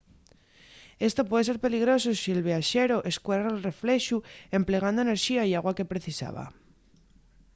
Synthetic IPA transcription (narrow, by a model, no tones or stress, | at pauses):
e̞st̪o̞pwe̞ðese̞ɾpe̞liɣ̞ɾo̞sosie̞lβeaʃe̞ɾo̞ʔe̞skweɾaelre̞fle̞ʃue̞mple̞ɣ̞and̪oene̞ɾʃiaiaɣwake̞pɾe̞θisa̰βa̰